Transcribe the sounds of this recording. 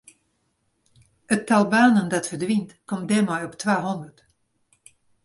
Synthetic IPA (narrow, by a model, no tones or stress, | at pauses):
ətːalˠbaːnəndɔtfərdʋintkɔmdɛmɔjɔptʰʋaːɦɔndərt